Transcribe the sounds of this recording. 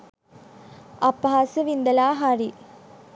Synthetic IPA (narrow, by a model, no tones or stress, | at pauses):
ɐpːɦaːsɨʋind̪ɐlaːɦɐɾi